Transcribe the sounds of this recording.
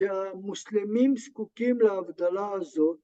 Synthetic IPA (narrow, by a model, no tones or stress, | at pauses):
amuslimimskukimlabd̪ɐlaːzo